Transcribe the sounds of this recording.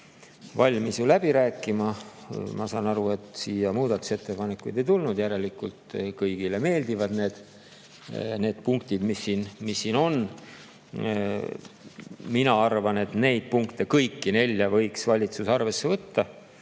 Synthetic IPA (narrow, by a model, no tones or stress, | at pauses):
vɑlʲmisjulæb̥iɾæːkˑːimɑmɑsɑːnɑɾue̞t̪siːjɑmuːd̪ɑt̪ːu̥se̞t̪ːe̞pɑne̞kːˑujd̪e̞jt̪ulnud̪̥jæɾe̞likːult̪kɤjɡ̥ile̞me̞ːld̪ivɑd̪ne̞ːd̪̥ | ne̞ːd̪̥̚puŋk̚t̪id̪̥misːinmisːiːno̞n | minɑɑrvɑne̞t̪ne̞jd̪̥̚puŋkt̪e̞kɤjkːine̞lʲjɑvɤjksvɑlʲit̪susɑrve̞sːe̞vɤt̪ːɑ